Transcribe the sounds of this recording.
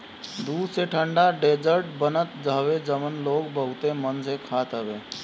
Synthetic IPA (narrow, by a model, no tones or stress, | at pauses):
d̪uːd̪seʈʰə̃ɳɖaɖeːd͡ʒəɾʈbənət̪d͡ʒəɦwed͡ʒəmənloːɡbəɦʊt̪emənsekʰaːt̪əbeː